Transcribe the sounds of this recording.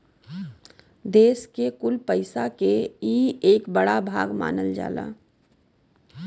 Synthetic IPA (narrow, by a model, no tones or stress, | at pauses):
d̪eːskekʊlpəɪsakeiːeːkbəɽabʱa̰ːɡma̰ːnəld͡ʒa̰ːla̰ː